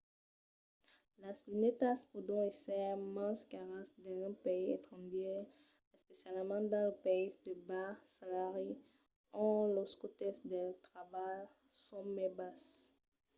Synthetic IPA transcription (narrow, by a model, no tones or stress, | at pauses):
laslinet̪aspud̪ɔ̃esɛmɑ̃skaʁasd̪ɑ̃zɛ̃peiɛt̪χɑ̃d̪ɛ | ɛspesjalmɑ̃d̪ɑ̃ləpeid̪əbasalaʁi | ɔ̃loskot̪ɛsd̪ɛt̪ʁavaj | sɔmɛbas